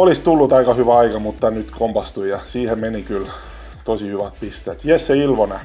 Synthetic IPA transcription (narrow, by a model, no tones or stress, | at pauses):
olist̪ulːut̪ɑikɑhyʋæɑikɑmut̪ːɑnyt̪komb̥ɑst̪uijɑsiːhemmenikyl | t̪osihyʋæt̪̚pist̪eːt̪ʋiesseilʋonæ